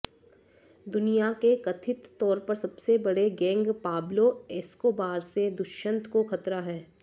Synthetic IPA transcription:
d̪ʊnijakekɐt̪ʰɪt̪ːɔːɾpɐɾsɐbsebɐɽeɡɛ̃ːŋɡpaːbloɛːskoːbaːɾsed̪ʊʃə̃nt̪ʰkoxɐt̪ɾaɦɛː

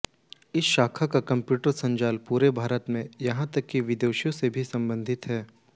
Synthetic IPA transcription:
ɪsʃaːkʰakakɐ̃mpjuːʈəɾsɐ̃ɲd͡ʒaːlpuːɾebʱaːɾət̪mẽjɐɦãt̪ɐkːiʋɪd̪oːʃjõsebʱisɐ̃mbə̃nd̪ʱɪt̪ɦɛː

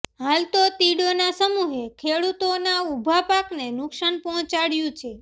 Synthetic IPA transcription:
ɦalt̪ot̪iɽonasəmuɦekʰeɽut̪onaubʱapaknenʊksanpɔɦɔ̃t͡ʃaɽjũt͡ʃʰe

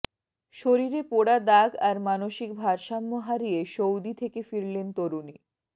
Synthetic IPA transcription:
ʃoɾiɾepoɽad̪aɡaɾmanoʃik̚bʱaɾʃamːoɦaɾijeʃowd̪it̪ʰekefiɾlent̪oɾuni

